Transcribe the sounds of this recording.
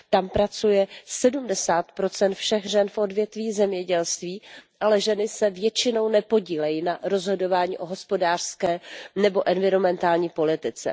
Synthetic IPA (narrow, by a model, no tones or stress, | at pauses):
t̪ampɾat͡sujɛsɛdumdɛsaːt̪pɾo̞t͡sɛnt̪fʃɛxʒɛnfʔo̞dvjɛt̪viːzɛmɲɛɟɛlst̪viːʔalɛʒɛnɪsɛvjɛt͡ʃɪno̞wnɛpo̞ɟiːlɛjinaɾo̞zɦo̞do̞vaːɲḭːʔo̞ɦo̞spo̞daːr̥skɛːnɛbo̞ʔɛnvɪɾo̞mɛnt̪aːlɲiːpo̞lɪt̪ɪt͡sɛ̰